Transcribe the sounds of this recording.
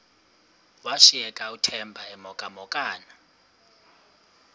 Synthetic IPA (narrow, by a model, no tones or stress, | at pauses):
waʃiɛkʼautʰɛmbʱaɛmɔkʼamɔkʼaːna